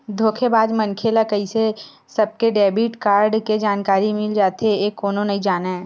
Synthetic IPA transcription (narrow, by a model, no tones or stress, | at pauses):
d̪ʱoːkʰebaːd̪mɐnkʰelakɐise | sɐb̚keɖɛːbiʈkaːɾɖked͡ʒaːnkaːɾimɪld͡ʒaːt̪eeːkːoːnõnɐĩd͡ʒaːnaɛ̃ː